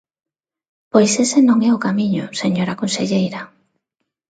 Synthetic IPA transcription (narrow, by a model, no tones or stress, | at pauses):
pojsesenõŋɛʊkamĩɲʊseɲoɾakonseʎejɾɐ